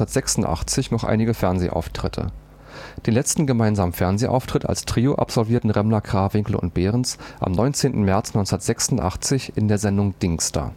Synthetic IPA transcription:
ɐtz̥ɛksʊn̩tʔa̰χt͡sɪçnɔχʔa̰ɪnɪɡəfɛɐnzḛːʔa̰ʊftʁ̥ɪtʰə̰ | d̥eːnlɛt͡stn̩ɡəmaɪnzaːmənfɛɐnzeːʔa̰ʊftʁ̥ɪta̰lstʁ̥iːoʔa̰pz̥ɔlviːɐtn̩ʁɛmlɐkʁ̥aːvɪŋkl̩ʊ̰nt̚b̥eːʁənsʔa̰mnɔʏnt͡seːntn̩mɛɐt͡snɔʏnt͡sndɐtz̥ɛksʊn̩tʔa̰χt͡sɪçɪndeːɐzɛndʊŋd̥ɪŋsta̰

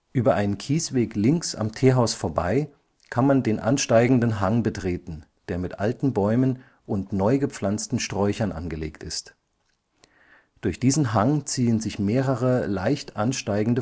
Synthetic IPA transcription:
ʔyːbɐʔaɪnənkʰiːsv̥eːklɪŋksa̰mtʰeːɦaʊsfoːɐba̰ɪ | kʰanmandeːnʔa̰nʃtaɪɡŋ̩dən̩ɦaŋbətʁ̥eːtn̩ | d̥eːɐmɪtʔaltn̩bɔʏmən | ʔʊntnɔʏɡəp͡flant͡stn̩ʃtʁ̥ɔʏçɐnʔa̰nɡəlḛːktɪst | d̥ʊɐçd̥iːzn̩ɦaŋt͡siːənzɪçmeːʁəʁəlaɪçtʔanʃtaɪɡŋ̩də

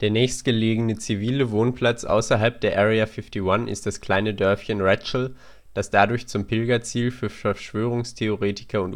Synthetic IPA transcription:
d̥eːɐnɛːçstɡ̥əleːɡənət͡siviːləvoːnpl̥at͡sʔa̰ʊsɐɦalp̚d̥eːɐʔɛːʁɛafɪftiwanʔɪ̰st̚d̥askl̥aɪnədœɐfçənʁɛt͡ʃl̩ | d̥asd̥adʊɐçt͡sʊmpʰɪlɡɐt͡siːlfyːɐfɛɐʃv̥øːʁ̞ʊŋstʰeoʁeːtʰɪ̥kʰɐʊnt

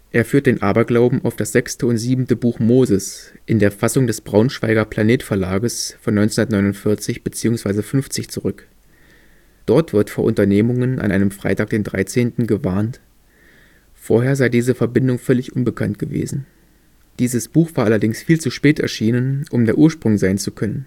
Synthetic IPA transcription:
ʔeːɐfyːɐt̚d̥eːnʔaːbɐɡlaʊbm̩ʔaʊfd̥asz̥ɛkstəʊntz̥iːbm̩təbuːxmoːzəsʔɪndeːɐfasʊŋdɛsb̥ʁaʊnʃv̥a̰ɪɡɐpʰl̥aneːtfɛɐlaːɡəsfɔnːɔʏnt͡sndɐtnɔʏnʊntfɪɐt͡sɪçb̥ət͡siːʊŋsv̥aɪzəfʏnft͡sɪçt͡suʁʏk | d̥ɔɐtv̥ɪɐtfoːɐʔʊntɐneːmʊŋənʔa̰nʔaɪnəmfʁ̥a̰ɪtaːk̚d̥eːndʁa̰ɪt͡seːntn̩ɡəvaːɐnt | foːɐɦeːɐzaɪdiːzəfɛɐbɪndʊŋfœlɪçʔʊnbəkʰa̰ntɡ̥əvḛːzn̩ | d̥iːzəsb̥uːxv̥aːɐʔalɐdɪŋsfiːlt͡suʃpɛːtɛ̰ɐʃiːnənʔʊmdeːɐʔuːɐʃpʁ̥ʊŋzaɪnt͡sukʰœnən

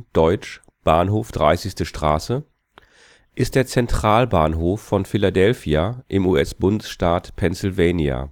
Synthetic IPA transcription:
d̥ɔʏt͡ʃ | b̥aːnɦoːfd̥ʁaɪsɪçstəʃtʁ̥a̰ːsə | ʔɪst̚d̥eːɐt͡sɛntʁ̥aːlbaːnɦoːfːɔnfɪladɛlfiaʔɪmuːʔɛsb̥ʊndəsʃtaːtpʰɛnsɪlveːnia̰

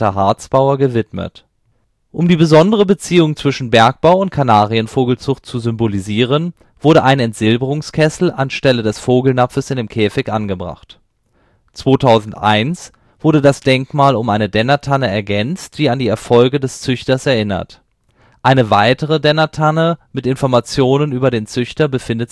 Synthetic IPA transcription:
ɐɦaɐt͡sb̥aʊɐɡəvɪtmə̰t | ʔʊmdiːbəzɔndəʁəbət͡siːʊŋt͡sv̥ɪʃn̩bɛɐk̚b̥aʊʊnt̚kʰanaːʁiənfoːɡl̩t͡sʊχt̚t͡suzʏmboliziːʁ̞ən | v̥ʊɐɾəʔaɪnɛntz̥ɪlbəʁʊŋskʰɛsl̩a̰nʃtɛlədɛsfoːɡl̩nap͡fəsɪndeːmkʰɛːfɪçʔanɡəbʁa̰χt | t͡sv̥oːtʰaʊzn̩tʔa̰ɪns | v̥ʊɐdədasd̥ɛŋkmaːlʊmʔaɪnədɛnɐtʰanəɛɐɡɛnt͡std̥iːandiːɛɐfɔlɡədɛst͡sʏçtɐsɛɐʔɪnɐ̰t | ʔaɪnəvaɪtəʁ̞ədɛnɐtʰanəmɪtɪnfɔɐmat͡sjoːnənyːbɐdeːnt͡sʏçtɐbəfɪndə

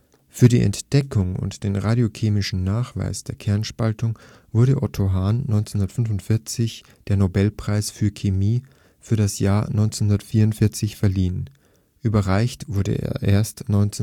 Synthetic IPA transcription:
fyːɐɾḭːʔɛ̰ntd̥ɛkʰʊŋʊ̰ntd̥eːnʁaːdjokʰeːmɪʃn̩naːχv̥a̰ɪsd̥eːɐkʰɛɐnʃpaltʊŋ | v̥ʊɐɾəʔɔ̰tʰoɦaːnːɔʏnt͡senʊndɐətfʏnvʊntfɪɐt͡sɪç | d̥eːɐnobɛlpʁ̥aɪsfyːɐkʰemiː | fyːɐɾasjaːɐnɔʏnt͡senhʊndɐtfiːɐʊntfɪɐt͡sɪçfɛɐliːən | ʔyːbɐʁaɪçtv̥ʊɐdə̰ʔḛːɐʔḛːɐstnɔʏnt͡s

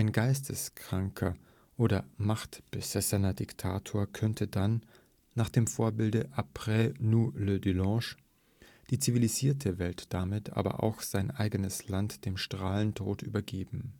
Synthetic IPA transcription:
ʔaɪnɡaɪstʰəskʁ̥aŋkʰɐ | ʔoːɾɐmaχtb̥əz̥ɛsɐnɐdɪktʰaːtʰoːɐkʰœntʰədanː | aːχd̥eːmfoːɐbɪldəʔapʁ̥ɛnulødylɑ̃ːʃ | d̥iːt͡siviliziːɐtʰəvɛltd̥amɪtʰʔa̰ːbɐ̰ʔa̰ʊxz̥aɪnʔaɪɡənəslantd̥eːmʃtʁ̥aːləntʁo̰ːtʔy̰ːbɐɡeːbm̩

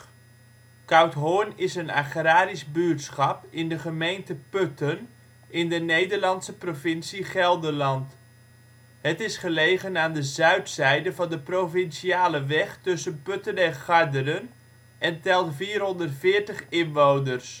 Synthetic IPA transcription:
kawtɦoːnɪsəna̰χraːɾizbyətsχɑpɪndəχəmejntəpøtən | ɪndənejdəɹlɑntsəprovɪnsiχɛlˠdəlɑnt | hətɪsχəlejɣənaːndəzœɥtsɛjdəvɑndəprowfɪnsiaːləʋɛχtɵsənpøtənɛχɑɹdərən | ʔɛntɛlˠtfiːrɦɔndərtfɪːɹtəχɪnʋownərs

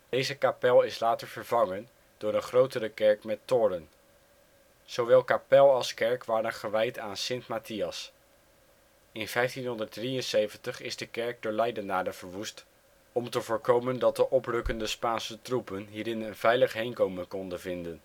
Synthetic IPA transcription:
d̥ejzəkapɛlˠɪslaːtəɹv̥əɹvɑŋən | d̥ʊːɾənχrowtərəkɛɹkmɛtːʊːɾən | z̥owʋɛlˠkapɛlˠɑlˠskɛɹkʋaːɾənχəʋɛjtaːnsɪntmatiɑs | ɪnvɛjftinɦɔndəɹdrijənsejvəntəχɪ̰zdəkɛɹk̚dʊːɹlɛjdənaːdəv̥əɹʋust | ɔmtəvʊːɹkowməndɑt̚dəʔɔprɵkəndəspaːnsətrupənɦiːɾɪnənvɛjləχɦejnkowmənkɔndənvɪndən

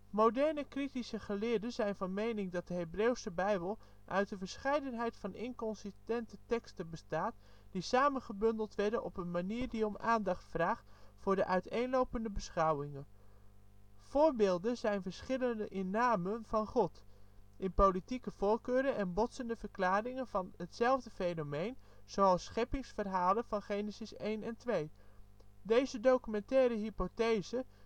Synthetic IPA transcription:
mowdɛɹnəkritisəχəlɪːɹdənzɛjnvɑnmejnɪŋdɑt̚dəɦejbrewsəbɛjbəlˠ | ʔœɥt̚dəvəɹsχɛjdənɦɛjtfɑnɪ̰ŋkɔnsɪstɛntətɛkstənbəstaːt | disaːmənχəbɵndəlˠtʋɛɹdənʔɔpənmaniːɹdiɔmaːndɑχtfraːχtfʊːɹdəʔœɥtejnlowpəndəbəsχʌwɪŋən | v̥ʊːɹbeːlˠdənzɛjnvəɹsχɪləndəʔɪnːaːmənv̥ɑnχɔtɪnpowlitikəv̥oːɹkøːɾənɛnbɔtsəndəvəɹklaːrɪŋənvɑnətsɛlˠvdəfejnomejnz̥owɑlˠsχɛpɪŋsfərɦaːlənv̥ɑnχejnəsɪsejnɛntʋej | dejzədowkymɛntɛːɾəɦipotejzə

